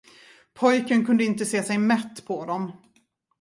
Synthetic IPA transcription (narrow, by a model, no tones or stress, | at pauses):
pʰɔjkənkʰɵnd̪əɪnt̪əseːsɛjmɛt̪ːpʰɔd̪ɔm